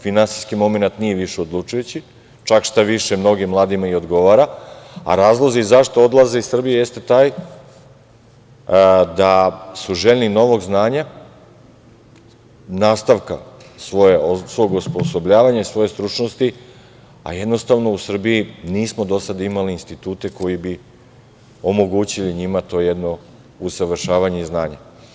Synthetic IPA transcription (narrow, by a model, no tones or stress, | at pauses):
finansi̥skimo̞me̞nat̪nije̞ʋiʃeod̪lˠut͡ʃujut͡ɕi | t͡ʃakʃt̪aʋiʃemno̞ɡimlˠaːd̪imaio̞d̪ɡo̞ʋaɾaa̰ɾaːzlˠozizaʃt̪oo̞d̪lˠaze̞isr̩bijejest̪et̪aːj | d̪asuʒeʎʲnino̞ʋo̞ɡznaːɲa | naːst̪aʋka̰sʋo̞jesʋo̞ɡusposo̞bʎaːʋaɲaisʋo̞je̞st̪ɾut͡ʃnost̪i | a̰je̞d̪no̞st̪aʋno̞usr̩biiniːsmo̞d̪o̞sad̪imaliːnst̪it̪uːt̪e̞ko̞jibi | o̞mo̞ɡuːt͡ɕiliɲimat̪o̞ːjed̪no̞ | usaʋr̩ʃaːʋaɲe̞iznaːɲa